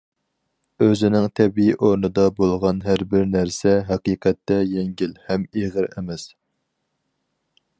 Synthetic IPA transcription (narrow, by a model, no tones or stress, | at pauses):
øzɪnɪŋt̪ʰɛbiiʔoɾnɨd̪ɑbolˠʁɑnɦæɾbɪɾnæɾsɛɦɛqiːqʰɛt̪ːɛjɛŋɡʲilhɛmeʁəɾḛmɛs